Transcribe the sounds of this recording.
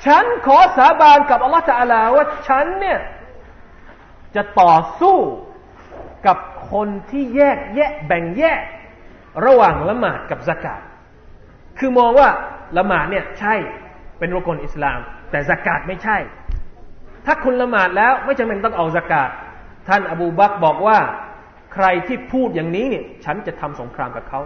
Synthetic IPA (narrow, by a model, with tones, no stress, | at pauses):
t͡ɕʰa˦˥nkʰɔː˨˩˦saː˩˦baː˧nka˨˩p̚ʔa˧lːɔ˦˥ht̪aː˧a˧laː˧waː˥˩t͡ɕʰa˦˥nːi˥˩ɐ | t͡ɕa˨˩ʔt̪ɔː˨˩suː˥˩ | ka˨˩p̚kʰo˧nt̪ʰiː˥˩jɛː˥˩k̚jɛː˥˩k̚bɛ˨˩ŋjɛː˥˩k̚ | ɾa˧waː˨˩ŋla˧maː˨˩t̪̚ka˨˩p̚sa˧ka̰ː˨˩t̪̚ | kʰɯː˧mɔː˧ŋwaː˥˩la˧maː˨˩t̪̚ni˥˩ɐt͡ɕʰa˥˩jpe˧nɾu˥˩ko˧nʔi˨˩slaː˧mt̪ɛː˨˩sa˧kaː˨˩t̪̚ma˥˩jt͡ɕʰa˥˩j | t̪ʰaː˥˩kʰu˧nla˧maː˨˩t̪̚lɛː˦˥wma˥˩jt͡ɕa˧ŋpe˧nt̪ɔ˥˩ŋʔa˧wsa˧kaː˨˩t̪̚ʰː | a˥˩nʔa˧buː˧ba˦˥k̚bɔː˨˩k̚waː˥˩ | kʰɾa˧jt̪ʰiː˥˩pʰuː˥˩t̪̚jaː˨˩ŋniː˦˥ni˥˩ɐt͡ɕʰa˦˥nt͡ɕa˨˩t̪ʰa˧mso˩˦ŋkʰɾaː˧mka˨˩p̚kʰa˦˥w